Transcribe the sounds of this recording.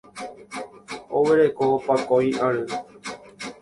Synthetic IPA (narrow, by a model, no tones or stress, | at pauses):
oweɾekopakojʔaɾɨ